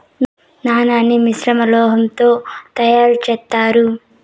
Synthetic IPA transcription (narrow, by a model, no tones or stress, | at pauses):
naːnaːnːimisɾɐmɐlɔːɦɐmt̪o̞ːt̪ɐjaːɾut͡ʃɛːt̪ːaːɾu